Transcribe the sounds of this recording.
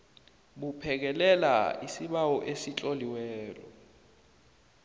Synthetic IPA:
ɓupʰɛk̬ɛlɛla̰isiɓawɔʔesit͡ɬʼoliwɛːlɔ̰

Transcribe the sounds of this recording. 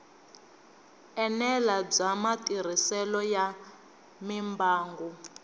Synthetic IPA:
ɛnɛlab͡ʐamatiɾ̤isɛlɔja | mimbaːŋɡu

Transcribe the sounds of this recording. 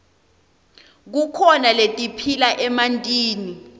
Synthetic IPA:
k̬ukʰɔnaletʼipʰilaʔɛmantʼiːni

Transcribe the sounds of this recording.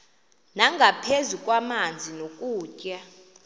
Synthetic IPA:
naŋɡʱapʰezukʼwamand͡zʱinokʼuːcʼɛ

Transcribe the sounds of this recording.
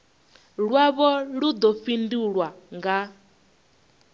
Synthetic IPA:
ɺwaβɔɺud̪ɔɸinduɺwaŋɡa

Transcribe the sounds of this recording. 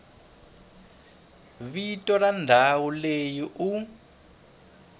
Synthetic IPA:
βitɔrandʱawulejiʔu

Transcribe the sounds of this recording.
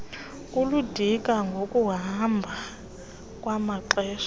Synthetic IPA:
kʼuludʱikʼaŋɡʱokʼuɦambʱa | kʼwamaǁɛːʃɔ̥

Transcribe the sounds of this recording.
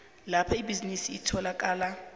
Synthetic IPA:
lapʰaibizinisiːtʰɔlakʼaːla

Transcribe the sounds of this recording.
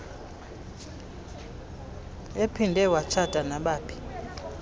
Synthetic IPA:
epʰindʱɛwat͡ʃʰad̥ʼʱanaɓaːpʰi̥

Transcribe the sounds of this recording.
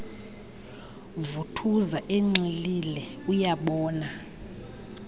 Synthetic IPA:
vutʰuzaʔeŋ͡ǀililɛujaɓɔːna

